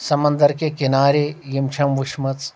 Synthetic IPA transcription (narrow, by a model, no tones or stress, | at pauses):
sɐmɐnd̪ɐɾkekinaːɾejimt͡ʃʰɐmʋuʃmɐt͡s